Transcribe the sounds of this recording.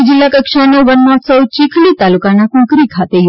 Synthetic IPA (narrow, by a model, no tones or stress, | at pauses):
d͡ʒilːakəkʂanewʋənːasəwt͡ɕikʰlit̪alukanakũkɾikʰat̪ej